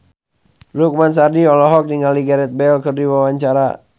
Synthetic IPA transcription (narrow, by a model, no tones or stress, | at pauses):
luk̚mans̬adiɔlɔɦɔk̚diŋaliɡaɾɛt̪̚bɛlkərdiwawaɲt͡ʃaɾa̰